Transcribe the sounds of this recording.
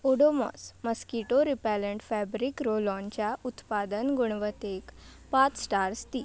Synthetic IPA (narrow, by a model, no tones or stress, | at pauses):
oɽomɔ̰sməskiʈoɾipɛləɳʈfɛbɾikɾolɔnt͡ɕjaʔut̪pad̪ənɡuɳʋət̪ekpat͡ssʈaɾst̪i